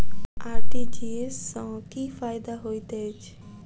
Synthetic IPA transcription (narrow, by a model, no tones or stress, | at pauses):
aːɾʈiːd͡ʒiːesːãːkiːfaːɪd̪aɦoːit̪eːt͡ʃʰ